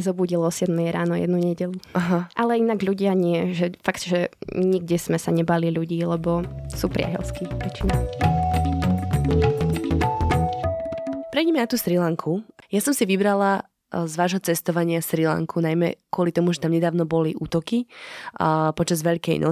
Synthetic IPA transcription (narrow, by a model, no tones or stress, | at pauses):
zɔbuːɟilɔsɪɛd̪mɛɛɾaːnɔjɛ̰d̪nuɲɛɟɛʎuaɦaʔalɛinaɡʎuɟɪaɲɪɛʒɛfakt̪ʒɛɲiɡɟɛsmɛsaɲɛbaliʎuɟiːlɛbɔsuːpɾɪa̰ɦɛ̰lskiʋɛt͡ʃina | pɾɛjɟɛmɛnat̪uːst̪ɾilaŋkʰujasɔmsiʋibɾala | zʋaːʒɦɔt͡sɛst̪ɔʋaɲɪast̪ɾila̰ŋkʰunajmɛ̰kʊɔlit̪ɔmuʒɛt̪amɲɛd̪aːʊnɔbɔliʔuːt̪ɔki | pɔt͡ʃazʋɛʎkɛ̰jnʔɔ